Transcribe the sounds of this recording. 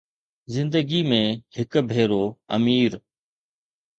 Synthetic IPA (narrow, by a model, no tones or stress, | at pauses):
zɪ̃nd̪əɡiːmẽːhɪkbʱeːɾoːə̰miːɾ